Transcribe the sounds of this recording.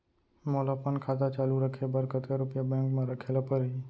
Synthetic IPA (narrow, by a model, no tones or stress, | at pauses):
moːlapənkʰaːt̪at͡ʃaːluɾəkʰebəɾkət̪eɾʊpjabɛ̃ːŋkmẽɾəkʰeːlapəɾɦi